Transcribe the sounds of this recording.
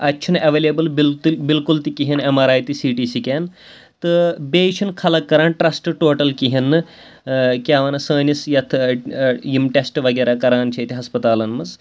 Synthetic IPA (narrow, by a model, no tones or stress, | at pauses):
ɐtːʃʰinɐʋeːlebɐlbilbilkult̪ikiɦinɐmɐɾaːjt̪isiːʈiːsikʲeːn | t̪ɨbeːt͡ʃʰinkʰɐlɐkːɐɾaːnʈɾɐsʈʈoːʈɐlkiɦinːɨ | kʲaːʋɐnɐsəːnisjɐt̪ʰ | jimʈesʈʋɐɡɐːɾaːkɐɾaːnt͡ʃʰɐt̪iɦɐspɐt̪aːlɐnmɐz